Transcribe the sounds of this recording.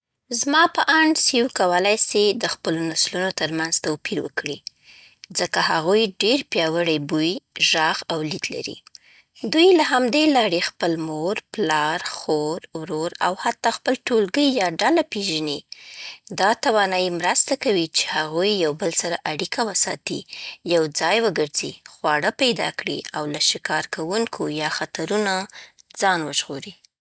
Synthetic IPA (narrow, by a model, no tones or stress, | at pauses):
zmɑpəʔaɳɖsiwkawəlajsed̪əxpəlonaslunot̪əɾmanzt̪awpiɾwə̰kɽi | zəkaɦaɣujɖeɾpjɑwəɽəjbujʒɑɣawlid̪la̰ɾḭ | d̪ujlaɦamd̪elɑɾexpəlmoɾplɑɾxoɾwɾoɾa̰what̪ːɑxpəlʈolɡəjːɑɖalapeʒani | d̪ɑt̪awɑnɑjimɾast̪akawit͡ʃe̥haɣujːawbəlsaɾaʔaɽikʰawəsɑt̪ḭjawd͡zɑjwəɡəɾzixwɑɽəpajd̪ɑ̰kɽḭawlaʃɪkɑɾkʰawuŋkʰojɑxat̪aɾuna | d͡zɑnwəʒɣoɾi